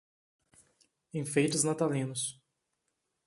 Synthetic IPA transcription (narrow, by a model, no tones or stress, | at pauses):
ẽj̃fejt͡ʃɪznat̪alĩnʊs